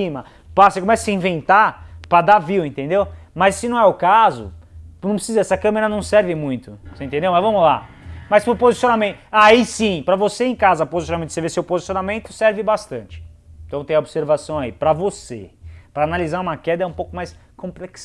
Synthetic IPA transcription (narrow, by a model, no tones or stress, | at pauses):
imɐ | pasekomɛsɐ̥sĩvẽnt̪apɾɐd̪aviwẽnt̪ẽnd̪ewmɐsːɪnɐ̃w̃ɛʊkazʊ̰nɐ̃w̃pɾɪsizɐɛsɪɐkɐ̃meɾɐnɐ̃w̃sɛɾvɪmũj̃t̪ʊsẽt̪ẽnd̪ewmɐzvɐ̃mʊla̰ | mɐspɾʊpozisionamẽnt̪ʊʊaisĩpɾɐvoseẽj̃kazɐpozisjonmẽt̪ʊsevesewpozisijonamẽnt̪ʊsɛɾvɪbast̪ɐ̃nt͡ʃɪ̥ẽt̪ɐ̃w̃t̪ẽj̃ɐobseɾvasɐ̃w̃aḭpɾɐvosḛpɾɐːnalizaɾũmɐkɛd̪ɐɛũpowkʊmajskõplɛks